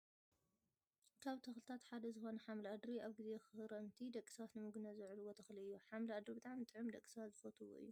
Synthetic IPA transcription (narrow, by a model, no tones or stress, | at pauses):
kʰaβt̪ʰɐxlɨt̪ʰat̪ħad̪ɐzɨxo̞nɐħamlad̪ɾiaβɡizexɨɨɾɐmt̪ʰid̪ɐkʼi̥sɐβat̪nɨmɨɡunɐzɨʕluwot̪ʰɐxliɨjːuħamlad̪ɾbɨt̪ʼaʕmit̪ʼɨʕɨmd̪ɐkʼi̥sɐβat̪zɨfot̪ʰuwo̰ʔɨ̰jːu